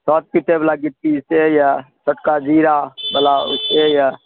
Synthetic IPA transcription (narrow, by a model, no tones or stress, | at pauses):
sɔːt̪̚pit̪ebəlaːɡɪt̪̚ːiseːjasəʈkaːd͡ʒiːɾaːbəlaːʊ̰seja